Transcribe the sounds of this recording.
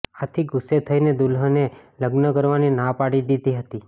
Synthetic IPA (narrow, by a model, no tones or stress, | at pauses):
at̪ʰiɡʊset̪ʰəined̪ulɦəneləɡnəkəɾʋaninãpaɽid̪id̪iɦət̪i